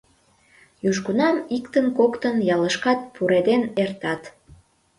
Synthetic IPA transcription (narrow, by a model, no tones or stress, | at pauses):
juʒɡunɑmikt̪ənkokt̪ənjɑləʃkɑt̪̚pʰuɾed̪enert̪ɑt̪